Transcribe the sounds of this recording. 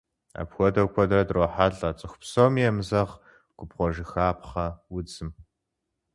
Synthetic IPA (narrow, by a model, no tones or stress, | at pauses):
a̰ːpxʷɔdɐwkʷʰɔdrɐdroːħaɮʼɐt͡sʼɨxʷpsowmijɛmzɐʁ | ɡ̥ʷʼʊpχʷɔʒɪxaːpχɐwʊd͡zɨm